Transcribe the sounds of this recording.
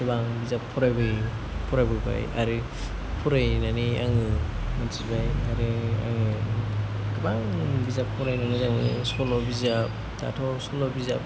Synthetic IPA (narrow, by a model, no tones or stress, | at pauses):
dibaŋbizappʰːuɾajbɯj | pʰuɾajbɯba̰ja̰ɾɯ | pʰuɾajnania̰ŋɯ | mant͡ʃibajaɾɯa̰ŋɯ | dibaŋbizapʰːɔɾajnaŋɯzaŋɯ̰sɔlɔbizap̚ | da̰tʰɔsɔlɔbiza̰p̚